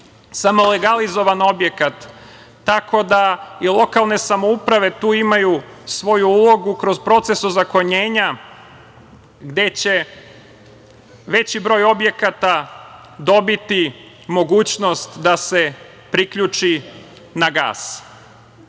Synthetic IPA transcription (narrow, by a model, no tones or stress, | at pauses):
samo̞le̞ɡalizo̞ʋano̞bjekat̪ː | ako̞d̪ailˠo̞kalˠne̞samo̞upɾaʋe̞t̪uːimajusʋo̞juulˠo̞ɡukɾo̞zpɾo̞t̪se̞suzako̞ɲeːɲa | ɡd̪e̞t͡ɕe̞ | ʋe̞t͡ɕibɾo̞ːjo̞bje̞kat̪a | d̪o̞bit̪i | mo̞ɡuːt͡ɕno̞st̪d̪ase̞ | pɾikʎut͡ʂi | naɡa̰ːs